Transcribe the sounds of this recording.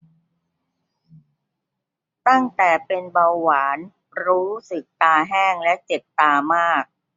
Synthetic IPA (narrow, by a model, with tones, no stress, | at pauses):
t̪a˥˩ŋt̪ɛː˨˩pe˧nba˧wːaː˩˦n | ɾuː˦˥sɯ˨˩k̚t̪aː˧ɦɛː˥˩ŋlɛ˦˥ʔt͡ɕe˨˩p̚t̪aː˧maː˥˩k̚